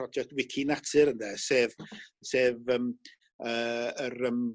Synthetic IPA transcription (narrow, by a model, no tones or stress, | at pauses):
rɔd͡ʒɛk̚twɪkʰinatʰɨɾəndɛseːvseːvəm | əːəɾəm